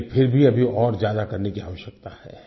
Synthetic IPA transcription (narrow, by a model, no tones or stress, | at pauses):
pʰɪɾbʱiɐbʱiɔːɾzjaːd̪akɐɾnekia̰ːʋəʃjək̚t̪ahɛ̰ː